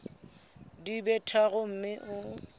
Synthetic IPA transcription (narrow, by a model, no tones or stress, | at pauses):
dibɛtʰaɣʊm̩mɪʔʊ